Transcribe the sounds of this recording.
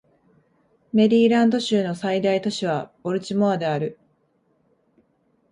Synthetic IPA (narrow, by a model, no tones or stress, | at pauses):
me̞ɾʲiːɾãnd̪o̞ɕɨːno̞said̪ait̪o̞ɕiβ̞abo̞ɾɯ̟t͡ɕimoad̪e̞aɾɯ̟